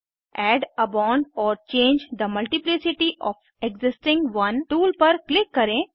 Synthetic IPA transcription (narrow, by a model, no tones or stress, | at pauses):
ɛːɖɐbãːɳɖɔːɾt͡ʃẽːɲd͡ʒd̪əmɐlʈiplɪsɪʈiʔɔːf | eɡzɪsʈɪ̃ŋɡʋɐnʈuːlpɐɾklɪkːɐɾẽː